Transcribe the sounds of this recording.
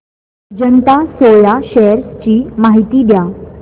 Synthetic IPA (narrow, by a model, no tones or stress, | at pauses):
d͡ʑənt̪asojaɕɛəɾt͡ɕiːmaɦit̪iːd̪ja